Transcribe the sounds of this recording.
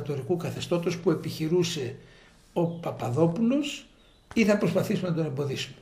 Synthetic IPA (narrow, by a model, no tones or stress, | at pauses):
t̪o̞ɾikukɐθe̞st̪o̞t̪o̞spue̞piçiɾuse̞ | o̞pɐpɐðo̞pulo̞s | iθɐpɾo̞spɐθisumenɐd̪o̞ne̞mbo̞ðisu̥me